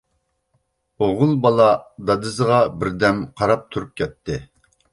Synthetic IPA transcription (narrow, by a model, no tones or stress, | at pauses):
oʁʊlˠbɑlˠɑd̪ɑd̪ɨzəʁɑbɪɾd̪ɛmqʰɑɾɑp̚t̪ʰuɾup̚kʲɛt̪ʰːɪ